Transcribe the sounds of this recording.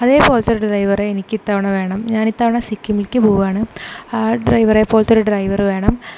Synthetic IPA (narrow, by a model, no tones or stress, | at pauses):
ɐðeːpːo̞ːlt̪ːɐɾuɖrɐjʋɐreːnikʲːit̪ːaːʋɐɳɐʋe̞ːɳɐmɲaːnit̪ːaːʋɐɳɐsikʲːumilkʲːɨbʱuːʋaːɳɨ | ɖrɐjʋɐreːpːoːlt̪ːoɾuɖrɐjʋɐrʋe̞ːɳɐm